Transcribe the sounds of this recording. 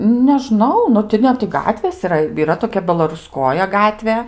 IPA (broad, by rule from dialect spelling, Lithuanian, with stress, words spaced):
nʲɛˈʒnɐʊ ˈnʊ tʲɪ ˈnʲɛ tʲɪ ˈɡɑːtʲʋʲeːs ɪˈrɐ iːˈrɐ toːˈkʲɛ bʲɛlˠɐrʊˈskoːjɛ ˈɡɑːtʲʋʲeː